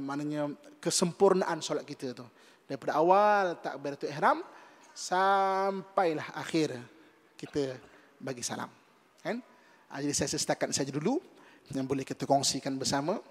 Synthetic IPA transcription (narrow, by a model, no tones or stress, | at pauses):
maʔnəɲəkəsəmpurnaʔansolat̪̚kit̪ət̪u | d̥aɾipadəawalt̪aʔ̚bajɾt̪uɛɦɾam | sampajlaha̰xɪr | kit̪ə | baɡisala̰m | kan | ʔa̰d͡ʒadisajasəsə̥t̪akat̪̚sad͡ʒadulujaŋbolɛhkit̪əkɔŋsikanbərsamə